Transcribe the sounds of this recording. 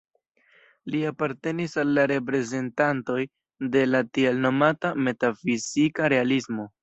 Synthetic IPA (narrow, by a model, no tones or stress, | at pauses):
liapaɾte̞nisalːaɾe̞p̬ɾe̞ze̞ntanto̞j | de̞latielno̞matame̞tafizikaɾe̞alismo̞